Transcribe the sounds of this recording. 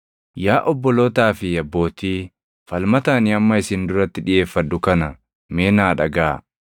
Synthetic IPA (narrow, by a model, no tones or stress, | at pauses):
jaːʔɔbːɔloːt̪aːfɪɐbːo̞ːt̪iː | fɐlmɐt̪aːnɪɐmːɐɪsɪnd̪ʊɾɐt̪ːɪᶑɪje̞ːfːɐd̪ːʊkɐnɐ | me̞ːnaːᶑɐɡaː